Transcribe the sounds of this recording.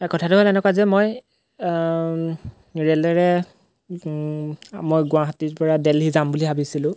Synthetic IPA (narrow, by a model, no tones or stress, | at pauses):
ɛkɔtʰatʊɦolɛnɛkwazɛmoj | ɹɛlɛɹɛ | mojɡʊ̃aɦatiɹpɔɹadɛlɦizambuliɦabisilʊ̃